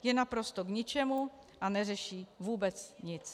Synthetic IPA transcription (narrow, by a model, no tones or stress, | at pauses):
jɛnapɾo̞st̪oɡɲɪt͡ʃɛmu | ʔanɛrɛʃiːvuːbɛt͡sɲɪt͡s